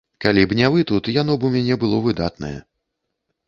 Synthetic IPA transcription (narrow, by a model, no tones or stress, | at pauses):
kalʲibnʲavɨt̪ut̪janɔbumʲanʲɛbɨlˠɔvɨd̪at̪nɐ̰jɛ̰